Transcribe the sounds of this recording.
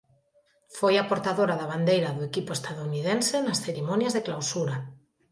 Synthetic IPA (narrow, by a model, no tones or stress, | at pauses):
fojapoɾt̪aðoɾaðaβ̞and̪ejɾaðoekipoest̪aðounið̞ensenasθeɾimõnjazðeklawsuɾa